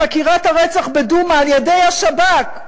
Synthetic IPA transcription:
akiʁathaʁet͡saχbedumaːljede̞jhaʃabak

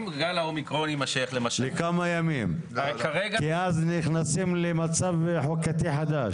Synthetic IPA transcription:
mɡalaomikʁonimaʃejaχlemaʃlekamajamimkaʁeɡkiazniχnasimlemat͡savħokat̪iħad̪aʃ

